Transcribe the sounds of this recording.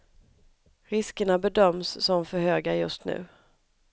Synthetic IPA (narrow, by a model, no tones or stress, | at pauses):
ɾɪskəɳabɛd̪œmsːɔmfœɾhøːɡajɵst̪nʉ̟ː